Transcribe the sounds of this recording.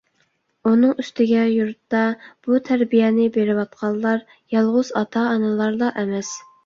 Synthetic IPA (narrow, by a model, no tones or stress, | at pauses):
unɨŋyst̪ɪɡʲɛjuɾt̪ːɑb̥ut̪ʰæɾbijɛnɪbeɾɪwɑt̪̚qʰɑlˠːɑɾ | jɑlˠʁʊz̥ɑt̪ʰɑːnɨlˠɑɾd̪ɑʔɛmɛs